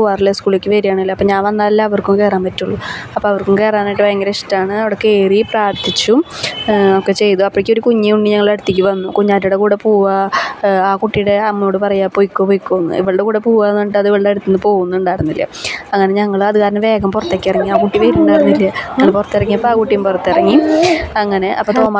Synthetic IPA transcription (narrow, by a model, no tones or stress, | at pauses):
uaːrilːɐskuːɭlekʲːɨʋeɾijaːɳɨilːɐpːoːɲaːnʋɐnːaːɐlːaɐʋɐrkumke̞ːraːmpɐtːuɭːuɐpːoːɐʋɐrkumke̞ːraːnaːjʈːɨʋɐjŋɡɾeʂtːaːɳɨɐʋiɽekːeːripraːrt̪ʰit͡ɕːu | okːe̞t͡ɕe̞jt̪uɐpːoɽikʲːoɾukuɲːiuɳɖiɲɐŋːɐɭeɽut̪ːikʲːuʋɐnːukuɲːaːtːuɽekuːɽepoːʋɐ | aːkuʈːijɽe̞ɐmːjo̞ːɽɨpɐrɐjaːpojikːopojkːoːnːɨ̰ḭʋɐɭɨɽekuːɽepoːʋanːoɳʈːɐðiʋɐɭːeɽut̪ːunːɨpo̞ːɣunːuuɳɖaːjɽunːilːɐ̰ɐŋːɐne̞ɲɐŋːɐɭɐðɨkaːɾɐnɨʋe̞ːɡɐmpurɐt̪ːeːkʲːirɐŋːiaːkuʈːiʋɐɾuɳɖaːjiɾunːilːɐɲɐŋːɐɭpurɐt̪ːirɐŋːiɐpːoaːkuʈːijumpurɐt̪ːirɐŋːiɐŋːɐne̞ʔɐ̰pːoːt̪oma